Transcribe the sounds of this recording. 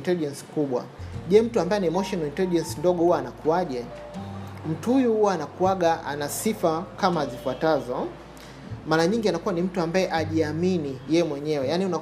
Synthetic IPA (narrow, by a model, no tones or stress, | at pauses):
ntɛliʄɛnsi̥kuɓwa̰ʄɛm̩tuambaɛniɛmɔʃɔnalintɛliʄɛnsindɔɠɔhuwaːnakuaʄɛ | m̩tuhujuhuwaːnakuaɠaa̰nasifakamaːzifuatazɔ | maɾaɲiŋɡianakuwanim̩tuambaɛʔaʄiaminijɛjɛmwɛɲɛwɛjaniuna